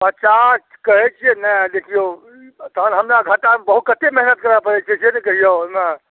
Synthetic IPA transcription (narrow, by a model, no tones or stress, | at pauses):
pət͡ʃaskəɦɛt͡ʃʰijɛnəd̪ekʰijo | t̪ɔɦənɦəmɾaɡʱəʈabəɦut̪̚kət̪emeɦnət̪kəɾəpəɾɛt͡ʃʰɛsenɛkəɦijomə